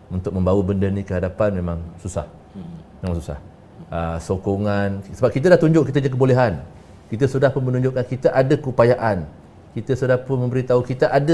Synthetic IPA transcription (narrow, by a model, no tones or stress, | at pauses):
unt̪ʊk̚mə̃mbawəbəndənĩkəɦadapanmẽmãŋsusa̰h | mẽmãŋsusa̰h | əsokoŋansəbap̚kit̪̬adaht̪uɲd͡ʒʊʔkːit̪aɲak̬əboleɦan | kit̪əsudahpʊnmənũɲd͡ʒʊʔkːankit̪aʔadakəupajaʔan | kit̪əsudahpʊnmə̃mbəɾit̪aukit̪aʔada